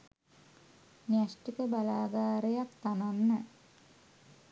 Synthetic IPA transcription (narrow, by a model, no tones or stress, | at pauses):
nijasʈikəbalaːɡaːɾejakt̪ananːə